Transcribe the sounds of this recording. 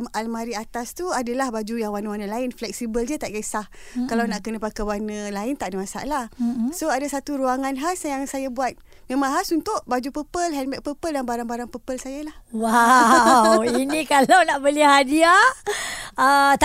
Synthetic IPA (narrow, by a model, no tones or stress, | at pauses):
malmaɾiat̪ast̪uadalahbad͡ʒujaŋwanəwanə̃laɪnflɛk̚sibəld͡ʒət̪aʔɡesah | kalawnaʔkənəpakawanə̃laɪnt̪aʔdəmasa̰ʔlahsoadasat̪uɾuaŋanɦasjaŋsajabuat̪̚ | mẽmãŋɦasunt̪ʊʔbad͡ʒupəpəlɦɛnbɛk̚pəpəldanbaɾaŋbaɾaŋpəpəlsajalahwa | winĩkalawnaʔbəliɦadia | ət̪